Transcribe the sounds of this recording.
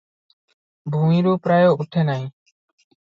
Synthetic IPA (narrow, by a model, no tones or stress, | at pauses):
bʱũmĩɾupɾajouʈʰenaj̃